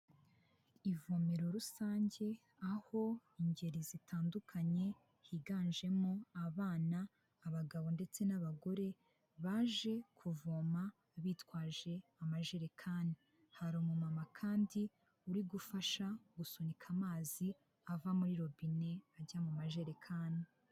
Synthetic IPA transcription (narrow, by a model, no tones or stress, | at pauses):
ivome̞ɾo̞ɾusaːɲɟe̞ | aho̞iɲɟe̞ɾizitʰaːndukʰaɲe̞ | hiɡaːnʒe̞moaβaːnaː | βaɡaβo̞nde̞t͡se̞naβaɡo̞ɾe̞ | βaːʒe̞kʰuvoːma | βiːtwaːʒe̞amaʒe̞ɾekʰaːni | haɾomumamakʰaːndi | uɾiɡufaʃaɡusonikʰamaːzi | avamuɾiɾo̞βine̞aɟamumaʒe̞ɾe̞kʰaːni